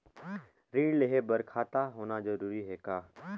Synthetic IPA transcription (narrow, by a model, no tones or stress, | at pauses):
ɾĩːɖleɦebɐɾkʰaːt̪aɦoːnazɐɾuːɾiɦɛːkaː